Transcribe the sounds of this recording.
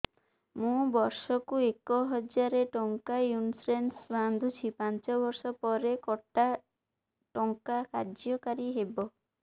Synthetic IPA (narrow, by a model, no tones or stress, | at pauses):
mũbɔɾsɔkuekɔɦɔd͡ʒaɾeʈɔŋkajunsɾensband̪ʱut͡ʃʰipant͡ʃɔbɔɾsɔpɔɾekɔʈa | ʈɔŋkakaɾd͡ʒɔkaɾiɦebɔ